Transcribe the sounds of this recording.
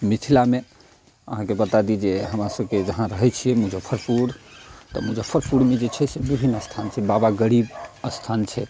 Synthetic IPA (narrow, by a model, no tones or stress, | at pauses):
mit̪ʰilame | ə̰ɦãkebət̪ad̪id͡ʒeɦəmɾasəbked͡ʒəɦãɾəɦɛt͡ʃʰijɛmũd͡ʒəpʰəɾpʰuɾt̪ɔ̰mũd͡ʒəpʰəɾpʰuɽmed͡ʒet͡ʃʰɛsebibʱinːəst̪ʰant͡ʃʰɛbabaɡəɾibəst̪ʰant͡ʃʰɛ